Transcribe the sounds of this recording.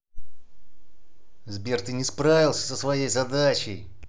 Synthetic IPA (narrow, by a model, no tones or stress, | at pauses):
zbʲert̪ɨnʲɪspɾavʲɪlˠsʲə̥səsvɐjejzɐd̪at͡ɕɪj